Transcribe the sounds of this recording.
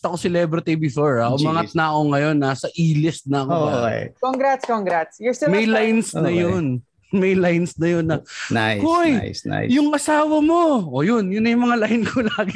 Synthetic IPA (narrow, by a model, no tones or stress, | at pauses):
st̪ɐkosɛlɛbɾɪt̪ibɪfoɹaʔʊmaːŋɐt̪̚nɐɐko̞ŋɐjo̞nasɐʔiːlɪst̪̚nɐɐkokḛkoŋɡɾat̪skoŋɡɾat̪sjʊst̪ɪmɐjlajnsnɐjon | mɐjlajnsnɐjonːɐnajhojjsa̰jjʊŋʔɐsaːwɐmo̞ʔoːjonjʊnːɐjʊmɐŋalajnkʰolaːɡɪ